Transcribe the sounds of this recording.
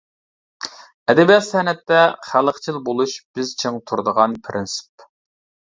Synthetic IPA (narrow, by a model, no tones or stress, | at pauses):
ɛd̪ɛbijɑt̪sɛhnɛt̪ːɛχælˠəqt͡ʃʰilˠbolˠuʃb̥ɪzt͡ʃʰeŋt̪ʰuɾd̪əʁɑnpʰɾʔɪnsɪ̥p